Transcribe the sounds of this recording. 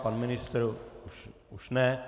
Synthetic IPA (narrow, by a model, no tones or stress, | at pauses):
panmɪnɪst̪ɾuʃ | uʃnɛ